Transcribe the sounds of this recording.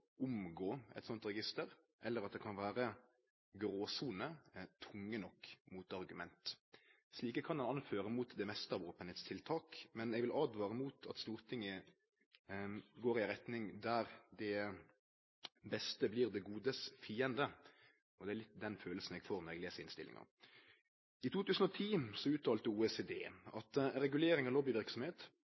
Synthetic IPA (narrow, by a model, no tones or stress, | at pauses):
ʊmɡoːɛ̰t̪sɔnt̪ɾɛɡɪst̪əɾ | ʔɛlːəɾɑt̪̚d̪ɛkʰɑnʋæːɾə | ɡɾoːsuːnət̪ʰʊŋːənɔkːmuːt̪ɑʁɡʉmɛnt̪ | sliːkəkʰɑnhɑnɑnføːɾəmuːt̪d̪ɛmɛst̪əɾʋoːpənheːt̪st̪ʰɪlt̪ʰɑːkmɛnɛɡʋɪlʔɑːd̪ʋɑːɾəmuːt̪ʰɑt̪st̪uːɾt̪ʰɪŋːə | ɡoːɾɪʁɛt̪nɪŋd̪æɾd̪ɛ | bɛst̪əbliːʁd̪ɛɡuːd̪əsfiːənd̪ə | ɔd̪ɛælɪt̪ːd̪ɛnføːləsən̩ɛːɡfoːʁnɔɾɛɡleːsəɾɪnst̪ɪlɪ̰ŋə̰ʁ | ɪt̪ʰuːt̪ʉːsən̩ɔt̪ʰiːsɔʉːt̪ʰːɑːlt̪əuːɛseːd̪ḛːɑt̪ɾɛɡʉleːɾɪŋɔloːbɪʋɪɾksɔmheːt̪